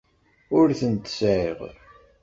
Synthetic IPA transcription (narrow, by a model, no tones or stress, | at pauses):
ʊɾθənt̪sʕeʁ